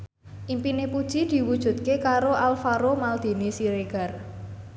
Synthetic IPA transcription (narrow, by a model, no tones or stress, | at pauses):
ʔimpinepud̥ʒ̥id̪̥i̤wud̥ʒ̥ṳt̪̚kekaɾoʔalfaɾomald̪̥e̤nisiɾeɡ̥ar